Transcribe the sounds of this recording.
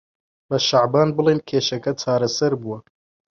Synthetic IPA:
bɐʃaʕbaːnbɨlˠejnkʰeːʃɐkɐt͡ʃʰaːɾɐsɐɾbuwɐ

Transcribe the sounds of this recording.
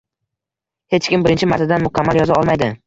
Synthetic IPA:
he̞t͡ʃkʲɪmbɪɾɪnt͡ʃʰɪmaɾt̪ʰad̪anmʊkʲʰamːaljɒzaɒlˠmajd̪ɪ

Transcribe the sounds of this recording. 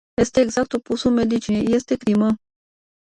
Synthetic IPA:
jest̪eːɡzak̚t̪upusumed̪it͡ʃinejest̪ekɾimə

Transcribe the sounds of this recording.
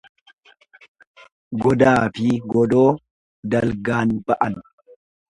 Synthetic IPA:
ɡɔd̪aːfɪɡɔd̪o̞ː | d̪ɐlɡaːnbɐʔɐn

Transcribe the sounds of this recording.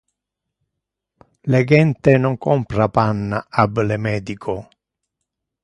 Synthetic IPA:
leɡɛnt̪enɔŋkɔmpɾapanːaablemɛːd̪ikʰʊ

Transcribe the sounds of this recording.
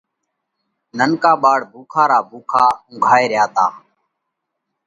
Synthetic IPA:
nənkaːɓaːɽbʱuːkʰaːɾaːbʱuːkʰaːʊ̃ŋːɡʱaːeːɾɪjaːt̪aː

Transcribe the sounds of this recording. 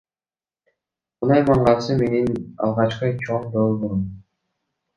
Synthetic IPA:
munɑjmɑɴʁɑsɯme̞ninɑ̰lˠʁɑt͡ʃqɯt͡ʃʰoɴd̪olˠbuɾum

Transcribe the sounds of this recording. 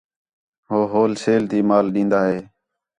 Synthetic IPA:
ɦoːɦoːlseːlt̪iːmaːlɗĩːnd̪aːɦeː

